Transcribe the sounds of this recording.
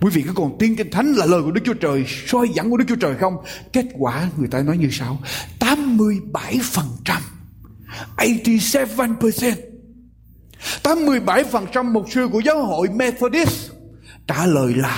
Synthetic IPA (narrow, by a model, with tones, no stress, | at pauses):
kwi˨˦vḭ˧˨kṵ˧˥kɔ˨˩nt̪i˧ənkï˧ŋ̟t̪ʰa˨˦jŋ̟laː˨˩ləː˨˩jku˧˩ə˩˦k̚t͡ɕu˦˥t͡ɕəː˨˩jswɔ˧jza̰˧˩ŋku˧ə˦ɨ˦k̚t͡ɕu˦˥t͡ɕəː˨˩jxə˧wŋ͡mke˦˥t̚kwaː˧˩ŋɨ˨˩əjt̪aː˧nɔ˨˦jɲɨ˧sa˧wt̪aː˨˦mːɨ˧əjɓa˧˩jfə˨˩nt͡ɕa˧m | ʔə˧jt̪i˧sɛ˦˥va˧npə˨˧sɛ˧n | t̪aː˨˦mːɨ˧əjɓa˧˩jfə˨˩nt͡ɕa˧mːo˨˩t̚sɨ˧˨ku˧˩əzaː˨˦who̰˧˨jmɛ˧t̪ʰo˧ɗi˦˥st͡ɕaː˧˩ləː˨˩jlaː˨˩